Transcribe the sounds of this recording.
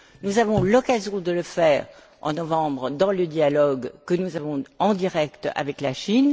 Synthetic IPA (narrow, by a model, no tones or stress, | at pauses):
nuzavɔ̃lɔkazjɔ̃d̪ələfɛːʁ | ɑ̰̃nɔvɑ̃bʁəd̪ɑ̃ləd̪jalɔɡkənuzavɔ̃ɑ̃d̪iʁɛkt̪a̰vɛklaʃin